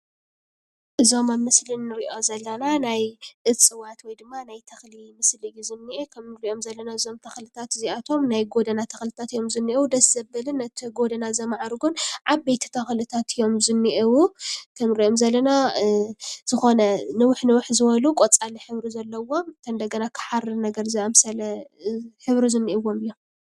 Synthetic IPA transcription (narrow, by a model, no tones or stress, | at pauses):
ʔɨzo̞mamɨslɨnːɨɾiʔo̞zɐlːɐnanajʔɨt͡sʼɨwat̪wɔjd̪ɨmːanajt̪ʰɐxlimɨslɨɡizɨnːiʔekʰɐmnɨɾiʔo̞mzɐlːɐnaɨzo̞mt̪ʰɐxlɨt̪ʰat̪ziat̪ʰo̞mnajɡo̞d̪ɐnat̪ʰɐxlɨt̪ʰat̪ijo̞mzɨnːiʔewud̪ɐszɐbɐlɨnːɐt̪ʰiɡo̞d̪ɐnazɐmaʕaɾuɡʊnʕabejt̪ʰi̥t̪ʰɐxlɨt̪ʰat̪ʰɨjo̞mzɨnːiʔewukʰɐmɾiʔo̞mzɐlːɐna | z̥ɨxo̞nɐnɨwʊħnɨwʊħzɨβɐlukʼot͡sʼaliħɨβɾizɐlːɐwo̞mt̪ʰɐnd̪ɐɡɐnakʰɨ̥ħaɾɨnɐɡɐɾzɨamsɐlɐ | ħɨβɾizɨnːiʔɨwːo̞mɨjːo̞m